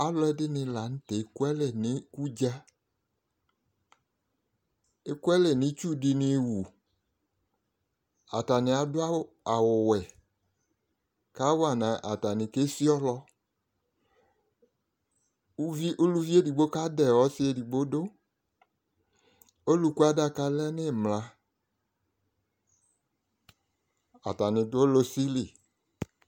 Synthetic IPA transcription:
a˦lɔ˦ɛ˦dɪ˦nɪ˧la˨n̩˦tɛ˨˦ku˦ɛ˦lɛ˨nɪ˨˦ku˦d͡ʒa˦ | e˦kwɛ˦lɛ˨nɪ̃˨˦t͡ʃu˦dɪ˧nɪ˧˨wu˨ | a̰˨ta˨nɪ˨a˨dʊ˦a˦ | a˨wʊ˨wɛ˨ | ka˦wa˨nã˨ʔa̰˨ta˨nɪ˨ke˦si˦ɔ˦lɔ˧˦ | vi˦ʔo˦lu˦vi˦e˦di˨ɡ͡bo˦ka˦dɛ˨wɔ˦sɪ˦e˨di˨ɡ͡bo˦do˦ | o˦lu˨˦ku˦a˦da˦ka˦lɛ˦nɪ˦˨mla˦ | a̰˨ta˨nɪ˨dʊ˦o˦lo˦si˦li˨

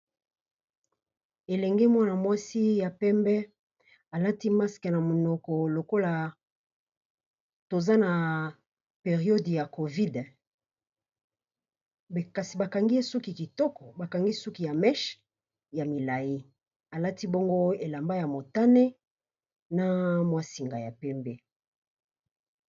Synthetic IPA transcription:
e˨lɛ˨ŋɡɛ˦mwa˦na˨mwa˦si˦ja˨pɛ˦mbɛ˦ | a˨la˦ti˦ma˦skɛ˨na˨mo˨nɔ˨kɔ˨lo˨ko˦la˨ | to˨za˦na˨ | pe˨ʁi˨o˦dja˨ko˨vi˦d | ka˨si˨ba˨ka˨ŋɡi˦e˦su˦ki˨ki˨tɔ˦kɔ˨ba˨ka˨ŋɡi˦su˦ki˨ja˨mɛ˦ʃ | ja˨mi˨la˨ji˦ | a˨la˦ti˦bo˦ŋɡo˦e˨la˨mba˦ja˨mo˨ta˦ne˦ | na˨mwa˨si˨ŋɡa˨ja˨pɛ˦mbɛ˦

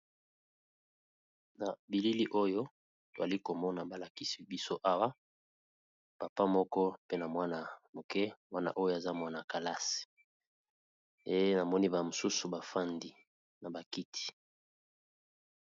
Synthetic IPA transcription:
na˨bi˨li˦li˦ʔo˦jo˦ | to˨za˨li˦ko˨mɔ˦na˨ba˨la˨ki˦si̥˨bi˦so˦ʔa˦wa˦ | pa˨pa˦mɔ˦kɔ˦pe˦na˨mwa˦na˨mo˨kɛ˦wa˦na̰˨ʔo˦jo˦˨a˨za˦mwa˦na˨ka˨la˦si̥˨ | e˨je˦na˨mɔ˦ni˦ba˨mo˨su˦su˨ba˨fa˦ndi˨ | na˨ba˨ki˦tʰi̥˨

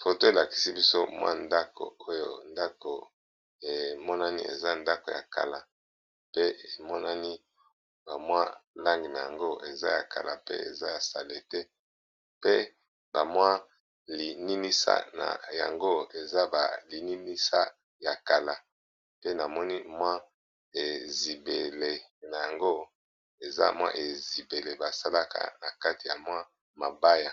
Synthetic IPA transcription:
fo˨to˦e˨la˨ki̥˨si˦bi˦so˦mwa̰˦nda˦ko̰˨o˦jo̰˨nda˦ko˨ | e˨mɔ˦na˦nḭ˦ḛ˨za˦nda˦ko˨ja̰˨ka̰˨la˨ | pe˦e˨mɔ˦na˦ni˦ | ba˨mwa˦la˦ŋɡi˨na˨ja̰˨ŋɡo˦e˨za̰˦ja̰˨ka̰˨la̰˨pḛ˦ḛ˨za˦ja˨sa˨le˨tɛ˦ | pe˦ | ba˨mwa˦ | li˨ni˦ni˦sa̰˦na̰˨ja̰˨ŋɡo˦e˨za˦ba̰˨li˨ni˦ni˦sa˦ | ja˨ka˨la˨ | pe˦na˨mɔ˦ni˦mwa˦ | e˨zi˨be˨le˨na˨ja˨ŋɡo˦ | e˨za̰˦mwa̰˦ʔe˨zi˨be˨le˨ba˨sa˦la˦ka̰˨na˨ka˦ti˨ja˨mwa˦ | ma˨ba˦ja˨

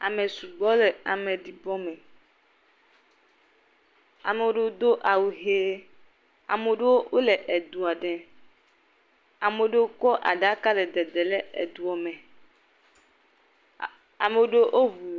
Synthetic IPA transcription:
a˨mẽ˨su˨ɡ͡bɔ˦le˨a˨mẽ˨ɖi˨bɔ˦mɛ̃˨ | a̰˨me˨o˦ɖe˦d̪o˦ʔa˨wu˨ɦe˦ | a̰˨me˨ɖe˦wo˦wo˦le˨ʔɛ˨d̪u˨a˨ɖɛ˨ | a˨me˨˦ɖe˦wo˦kɔ˦ʔa̰˨ɖa˦ka˦lɛ˨d̪ɛ˨d̪ɛ˨le˦ɛ̰˨d̪u˨ɔ˨mɛ̃˨ | a˨me˨wo˦ɖe˦o˦ʔo˦βu˨

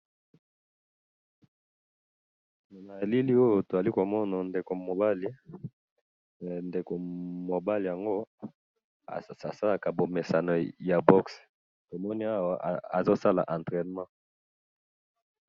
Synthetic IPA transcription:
na˨li˦li˦o˦jo˨to˨za˨li˦ko˨mɔ˦na˨nde˨ko˨mo˨ba˦li˦˨ | nde˨ko˨mo˨ba˦li˨ja˨ŋɡo˦ | a̰˨a̰˨sa˦la˨ka˨bo˨me˨sa˨nɔ˨ja˨bɔ˦ks | to˨mɔ˦ni˦a˦wa˨a˨zo˦sa˦la̰˨ʔã˨ntʁɛ˨n˨mɑ̃˦

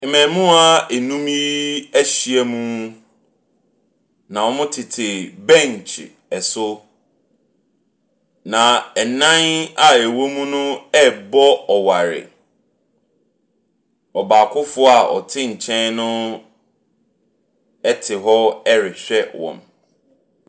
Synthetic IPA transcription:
mɛ̃˨mũ˦a˦ɛ˨nũ˦mi˦æ˦ɕi˨ɛ˦mũ˦ | nã˨wɔ̃˦mʊ̃˦tʰɪ˨tʰɪ˨bɛ̃˦˨ɲ˨t͡ɕʰɪ̰˨ | ɛ˨sʊ˦ | nã˨ɛ˨nã˦na˨ɛ˨wo˦mũ˦nʊ̃˦ɛ˦bɔ˦ɔ˨wa˨ɾɪ̰˨ | ɔ˨baː˨kʰʊ˦fʊ˦a˨ɔ̰˨tʰɪ̃˦ɲ̩˨t͡ɕʰɛ̃˦nnʊ̃˦ | ɛ˦tʰɪ˨ɦɔ˦ɛ˦ɾɪ˨ɕᶣɛ˦wɔ̰̃˨m

